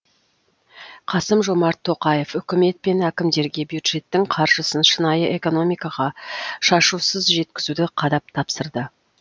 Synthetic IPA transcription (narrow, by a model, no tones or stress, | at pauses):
qʰɑsəmʒo̞mɑɾt̪ʰːo̞qɑje̞fʏkʲɪme̞t̪̚pe̞nækʲɪmd̪e̞ɾɡʲe̞bjud̪ʒ̥e̞t̪ːɪŋqʰɑɾʒəsənʃənɑjəʔe̞ko̞no̞mijkɑʁɑʃɑʃusəzʒe̞t̪kʲɪzud̪ɪqʰɑd̪ɑp̚t̪ʰɑpsəɾd̪ə